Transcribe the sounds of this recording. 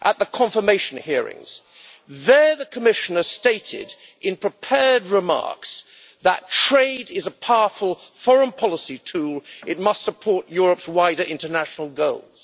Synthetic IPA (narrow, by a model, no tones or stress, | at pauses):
ʔət̪̚ðəkʰɑ̃ɱfə˞meɪʃɨn̩hɪəɹɪ̰̃ŋz̥ | ðə˞ðəkʰəmɪʃɨ̃nə˞steɪɾɪ̰dʔɨ̃npʰɹ̥ɨpʰɛɹd̚ɹɨmɑ̰ɹks | ðə̰tʰɹ̥eɪɾɪzəpʰaʊəfəlˠfɔɹə̃npʰɑlˠəsitʰulˠɨt̚mʌstsəpʰɔɹʔjʊɹəpswaɪɾə˞ʔɪ̃ntənæʃnl̩ˠɡoʊlˠz̥